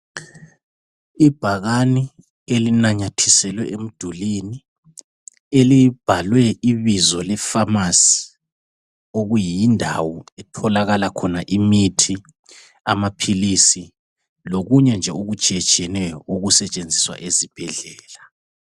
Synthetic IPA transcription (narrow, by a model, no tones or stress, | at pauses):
ib̥ʱaɣani | elinaɲatʰisɛlwɛʔem̩d̥ʱulini | elib̥ʱalwɛʔiβizɔlɛfamasi̥ | oɣujijindʱa̰wɔɛtʰɔlaɣalakʰɔnaʔimitʰi | amapʰilisi | loɣuɲɛnd͡ʒʱɛuɣud̥ʒ̥ʱɛd̥ʒ̥ʱɛnɛjɔuɣusɛt͡ʃʼend͡zʱiswa̰ʔezib̥ʱɛɮɛːla